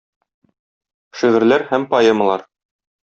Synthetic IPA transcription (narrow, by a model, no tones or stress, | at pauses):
ʃiʁɘ̆ɾlæɾhæmpɑjemə̆lˠɑɾ